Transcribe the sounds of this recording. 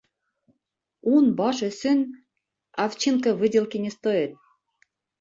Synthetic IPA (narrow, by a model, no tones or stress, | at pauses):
unbɑʃĕsyn | ɑft͡ɕinkɤ̆βɨdʲelkenʲĕst̪ojet̪̚